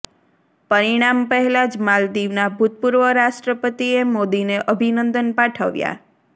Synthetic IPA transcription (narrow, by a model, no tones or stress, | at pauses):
pəɾiɽ̃ampəɦɛlad͡ʒmald̪iʋnabʱut̪̚puɾʋəɾaʃʈɾəpət̪iemod̪ineʔəbʱinənd̪ənpaʈʰəʋja̰